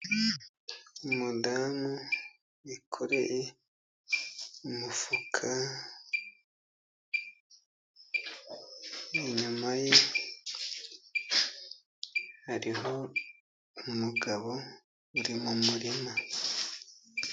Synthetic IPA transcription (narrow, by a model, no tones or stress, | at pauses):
umudaːmu | ikʰoɾe̞je | umufukʰa | iɲumaje | haɾiɦo̞ | umuɡaβo̞ | uɾimumuɾima